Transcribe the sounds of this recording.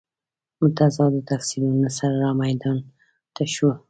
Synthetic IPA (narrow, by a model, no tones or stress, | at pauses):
mʊt̪azɑd̪ət̪aksilunasaɾaɾɑmajd̪ɑn | t̪aʃu